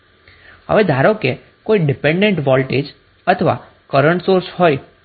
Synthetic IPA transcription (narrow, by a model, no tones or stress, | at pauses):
ə̰ʋed̪ʱaɾoke | koiɖipẽɳɖeɳʈʋɔlʈed͡ʒ | ət̪ʰəʋa̰ | kəɾəɳʈsoɾshɔj